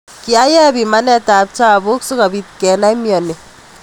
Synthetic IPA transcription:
ki˦a˦jɛ˦bi˨ma˦nɛ˦ta˨p̚t͡ʃa˦˨bʊ˦ksu˦ka˨bi˨t̚kɛ˨na˦i˦mjɔ˨ne˨

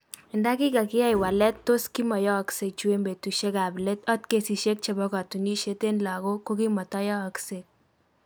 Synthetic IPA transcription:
ɪ˨nda˦kɪ˦ka˨kɪ˦ja˦ɪ˨wa˨lɛ˦tːo˦ski˦mɔ˨jɔː˦kse˨k̚t͡ʃu˦e˦mbe˨tu˨ʃe˦ka˨ble˦tɔ˦tke˨si˨ʃe˦k̚t͡ʃe˦bɔ˦ka˨tu˨ni˦ʃe˦te˦nla˨ɡo˦ko˦ki˦mɔ˨tɔ˦jɔː˦˨kse˨k̚

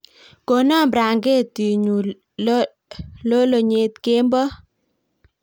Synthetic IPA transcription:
ko˨na˦mbɾa˨ŋɡe˦˨ti˨ɲu˨˦ | lo˦lo˨ɲe˨˦t̪ke˦mbɔ˦

